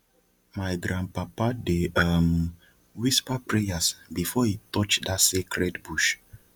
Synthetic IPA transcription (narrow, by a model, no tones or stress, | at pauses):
majɡɾãnpapadeəm | wispapɹejasbifɔhitɔt͡ʃdasekʰɾɛtbuʃ